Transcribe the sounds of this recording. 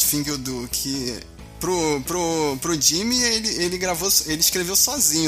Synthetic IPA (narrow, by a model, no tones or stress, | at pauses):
fĩɡod̪ʊkʰɪ | pɾʊpɾʊpɾʊd͡ʒĩmielɪelɪɡɾavoselɪiʃkɾevewsɔzĩɲʊ